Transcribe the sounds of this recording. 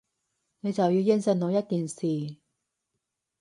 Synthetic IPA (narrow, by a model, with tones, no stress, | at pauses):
ne˨˧jt͡sɐ˨wji˧wji˥nsɐ˧nno˨˧wjɐ˥t̚k̪iː˨nsiː˨˩